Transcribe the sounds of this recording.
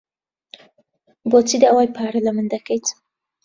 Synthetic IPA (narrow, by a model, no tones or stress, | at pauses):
boːt͡siːd̪aɐwaːjpʰaːɾɐlɐmɨnd̪ɐkɛjt̪